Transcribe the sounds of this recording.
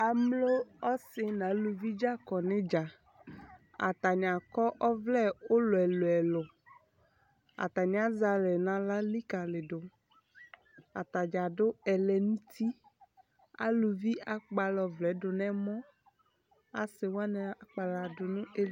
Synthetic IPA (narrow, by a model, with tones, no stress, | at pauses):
a˨mlo˦ɔ˦sɪ˨nã˨˦lu˨vi˦d͡ʒa˦kɔ˨nẽ˦d͡ʒa˨ | a̰˨t̪a˨ɲ˨a˨kɔ˦ʔɔ˦vlɛ˦o˦lo˨ɛ˨lo˨ɛ˨lʊ˨ | a̰˨t̪a˨ɲ˨a˨˦za˨lɛ˨nã˨la˦li˦ka˨lɪ˨dʊ˨ | a̰˨t̪a˨d͡ʒa˨dʊ˦ɛ˨lɛ˨nũ˦t̪i˦ | a̰˦lu˨vi˦a˨k͡pa˨lɔ˨vlɛ˨˦ɖʊ˨nɛ̃˦mɔ̃˦ | a˨sɪ˨wa˦nɛ̃˨a˨k͡pa˨la˨dʊ˨nũ˦e˦